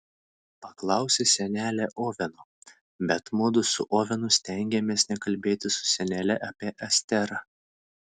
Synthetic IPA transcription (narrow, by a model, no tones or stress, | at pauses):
pɐklˠɑˑʊsʲesʲɛnʲæːlʲɛʔoːʋʲɛnʊ | bʲɛt̪mʊːd̪ʊsʊʔoːʋʲɛnʊsʲt̪ʲɛŋʲɡʲɛmʲeːsnʲɛkɐlʲbʲeːt̪ʲɪsʊ̥sʲɛnʲɛlʲɛʔɐːpʲiɛʔɐsʲt̪ʲɛɾɑ